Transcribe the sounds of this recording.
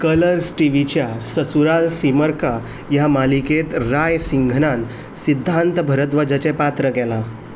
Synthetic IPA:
kələɾsʈiʋit͡ɕjasəsuɾalsiməɾka | jamaliket̪ɾajsiŋɡʱnãn | sid̪ʱːant̪bʱəɾət̪ʋəd͡ʑət͡ɕepat̪ɾəkɛla

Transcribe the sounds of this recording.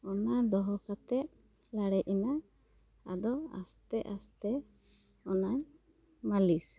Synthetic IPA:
ɔnad̪ɔɦɔkat̪ɛt̪̚ | laɽɛʔina | a̰d̪ɔa̰st̪ɛʔa̰st̪ɛ | ɔnaɲ | malis

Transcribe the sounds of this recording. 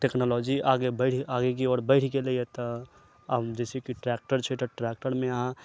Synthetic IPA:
ʈeknɔlɔd͡ʒiaːɡebəɪʈʰaːɡek̬iɔːɾbəɪʈʰkeliet̪ɔ | d͡ʒɛːsekiʈɾɛːk̚ʈəɾt͡ʃʰet̪əʈɾɛːk̚ʈəɾmẽɦã

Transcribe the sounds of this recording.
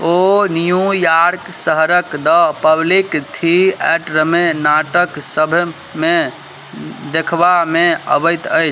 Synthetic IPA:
onijũjaɾksəɦɾəkd̪əpəblikt̪ʰiɛʈɾəmenaʈəksəbʱ | me | d̪ekʰbameə̰bəjt̪əjt͡ʃʰ

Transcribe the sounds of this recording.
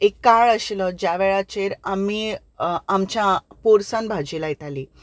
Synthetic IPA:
ekːaɭəɕilɔd͡ʑjaʋeɭat͡ɕeɾamiː | mt͡ɕjapoɾsanbʱad͡ʑilajit̪aliː

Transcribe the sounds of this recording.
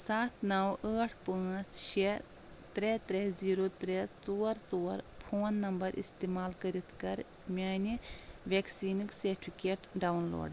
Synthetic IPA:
saːt̪ʰnɐwəːʈʰpə̃ːsʃe | t̪ɾeːt̪ɾeziːɾot̪ɾet͡soːɾt͡soːɾpʰoːnːɐmbɐɾʔḭst̪eːmaːlkɐɾit̪ʰkɐɾ | mʲaːniʋeːksiːnikseːɾʈʰpʰikeːʈɖawnlo̰ːɖ

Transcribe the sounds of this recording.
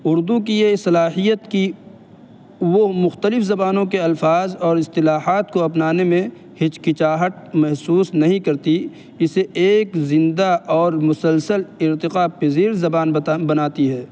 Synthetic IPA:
ʊɾd̪uk̬ijesɐlaːɦijət̪ki | womʊxt̪əlɪfzɐbaːnõkeɐlfaːzɔːɾɪst̪ɪlaːɦaːt̪koɐpnaːnemẽ | hɪt͡ʃkɪt͡ʃaːɦət̪̚mɛɦsuːsnɐɦĩkɐɾt̪i | ɪseʔeːkzɪ̃nd̪aʔɔːɾmʊsəlsəlɪɾt̪ɪqapɪziːɾzɐbaːnbɐnaːt̪iɦɛː

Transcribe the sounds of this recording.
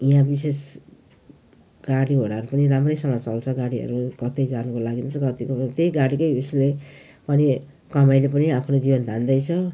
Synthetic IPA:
iɦãbises | ɡ̥aɽiɦoɽaɾupʌniramrʌjsʌŋʌt͡sʌlt͡sʰʌɡaɽiɦʌ̰ɾukʌt̪ʌjd͡zanukolaɡint͡sʰʌkʌt̪ikot̪ejɡaɽikʌjusle | pʌni | kʌmajlep̬ʌniapʰnod͡zibʌnd̪ʱand̪ʌjt͡sʰʌ

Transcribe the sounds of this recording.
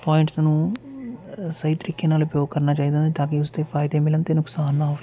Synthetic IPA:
paːɪ̃ɳʈsnũː | səit̪əɾɪkːeːnaːlʊpjoːɡ̚kəɾnaːt͡ʃaːid̪ẽːt̪aːkiʊst̪eːpʰaːɪd̪eːmɪlənt̪eːnʊksaːnaːʋ

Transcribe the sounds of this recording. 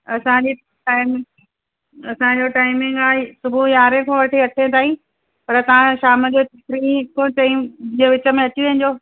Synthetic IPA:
ɐsãd͡ʑi | ʈaːɪmɪ̃ | ɐsãd͡ʑoʈaːɪmɪ̃ŋɡaːɦesʊbʱujaːɾẽkʰõʋɐʈʰeɐʈʰẽt̪ʰaːĩ | pɐɾət̪ɐʋ̤ãʃaːməd͡ʑokɾikʰõt͡ɕɐĩd͡ʑĩːʋɪt͡ɕə̆mẽɐt͡ɕiʋẽɦɪ̃̆d͡ʑoː

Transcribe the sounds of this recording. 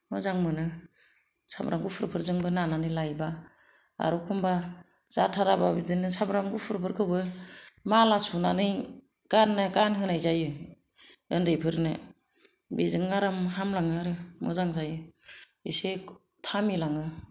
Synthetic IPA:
mɯzaŋmɯnɯ | sa̰bɾʔaŋɡupʰɯɾpʰɯɾzɯŋbɯnananɯjlajba | a̰ɾukʰumba | z̥atʰaɾababidɯnɯsabɾaŋɡupʰɯɾpʰɯɾkʰɯwbɯmalasunanɯj | ɡ̥anːɯɡanɦɯnajzajɯ | ɯndɯjpʰɯɾnɯ | bezɯŋːaɾɯmɦamlaŋɯaɾɯmɔ̰zaŋzajɯ | ise | tʰamilaŋɯ

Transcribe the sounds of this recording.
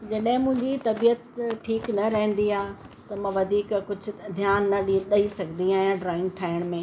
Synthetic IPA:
d͡ʑɐɗɦɪ̃mʊ̃ɦɪ̃ɲd͡ʑit̪ɐbijət̪ʈʰiːknɐɾɐɦɪ̃nd̪iaː | t̪ɐmɐ̃ːʋɐd̪ʱiːkkʊd͡ʑʱʊ̆d̪ʱjaːnːɐɗiɗɐisɐɡʱnd̪iaːɦijãɖɾaːɪ̃ŋɡʈʰaːɪəɽ̃mẽː

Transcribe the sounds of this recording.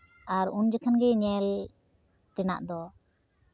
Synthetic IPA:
aɾund͡ʒəkʰanɡɛɲɛl | t̪ɛna̰ʔd̪ɔ

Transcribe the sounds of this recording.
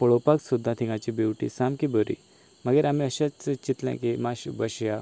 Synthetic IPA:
pəɭopaksud̪ʱːat̪ʰĩŋɡat͡ɕibiwʈḭsamkibəɾḭ | maɡeɾamiəɕat͡sət͡ɕit̪lɛ̰̃kemaɕubəɕja

